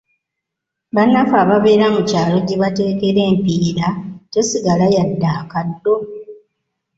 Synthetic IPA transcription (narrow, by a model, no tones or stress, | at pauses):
βanːafaːβaβe̞ːɾamucaːlo̞ɟeβate̞ːke̞ɾe̞ːmpiːɾacesiɡalajadːaːkadːo̞